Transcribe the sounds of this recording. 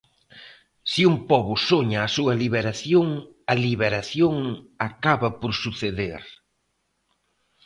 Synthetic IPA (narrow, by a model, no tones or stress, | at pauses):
siumpɔβʊsoɲaːsuɐliβeɾaθjoŋ | ɐliβeɾaθjoŋakaβɐpoɾsuθeðḛɾ